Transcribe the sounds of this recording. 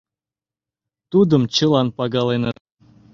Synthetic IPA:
t̪ud̪əmt͡ɕə̆lˠɑnpɑɡɑlenɤ

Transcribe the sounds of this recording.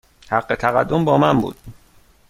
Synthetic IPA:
hæɢːet̪ʰæɣæd̪ːo̞mbɒːmæmbṵːd̪̥̚

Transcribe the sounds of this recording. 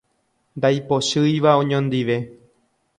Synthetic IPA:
nd̪ajpo̞ʃɨjʋaõɲõnd̪iʋe̞

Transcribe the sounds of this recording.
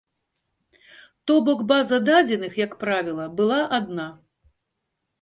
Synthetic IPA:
t̪ɔbɔɡbazɐd̪ad͡zʲɛnɨxjɐkpɾavʲilˠɐbɨlˠaʔad̪̚na

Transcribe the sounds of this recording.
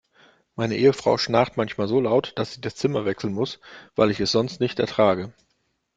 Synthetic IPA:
maɪnəʔeːəfʁ̥a̰ʊʃnaːχtmançmaːlzoːlaʊtd̥asz̥iːdast͡sɪmɐvɛksl̩nmʊsv̥a̰ɪlɪçɛsz̥ɔnstnɪçtɛ̰ɐtʁ̥aːɡə

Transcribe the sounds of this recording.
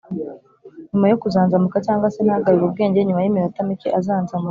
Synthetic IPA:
ɲumajokuzaːnzamukacaːŋɡasenahaɡaɾiβub̚ɡe̞ːɲɟe̞ɲumajimiɾatamikeʔazaːnzamu

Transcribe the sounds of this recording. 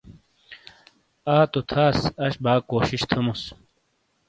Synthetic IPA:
aːt̪ot̪ʰaːsɐɕbaːkoːɕiɕt̪ʰɐmus

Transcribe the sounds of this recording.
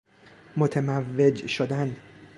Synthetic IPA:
mot̪ʰemævːed͡ʒʃod̪æn

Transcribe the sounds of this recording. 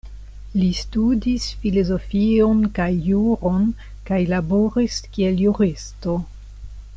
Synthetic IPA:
listudisfilozofionkajːuɾo̞n | kajlaboɾiskieljuɾisto̞

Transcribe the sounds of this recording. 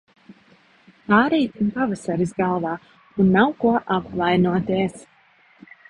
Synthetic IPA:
aːɾɛjt̪impavasaɾisɡalˠvaː | unːawkuɔʔapkvajnuɔt̪iɛs

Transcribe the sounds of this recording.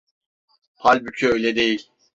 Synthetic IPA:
pʰalʲbycʰøøjlʲɛd̪e̞jilʲ

